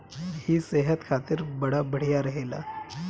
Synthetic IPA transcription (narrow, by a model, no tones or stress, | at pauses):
hiːseɦət̪kʰat̪iːɾbəɽabəɽ̤jaɾəɦela̰